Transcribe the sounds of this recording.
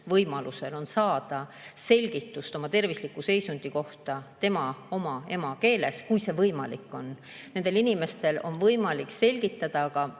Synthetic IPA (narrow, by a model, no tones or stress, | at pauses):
vɤjmɑluse̞lo̞nsɑːd̪̥ɑ | se̞lʲɡ̥it̪ːˑust̪o̞mɑt̪e̞rvislikːˑuse̞jsund̪̥iko̞ht̪ɑt̪e̞mɑo̞mɑe̞mɑke̞ːle̞skujse̞vɤjmɑlikːˑo̞n | nend̪elinime̞st̪e̞lo̞̰nvɤjmɑlikːse̞lʲɡ̥it̪ːˑɑd̪̥ɑkɑ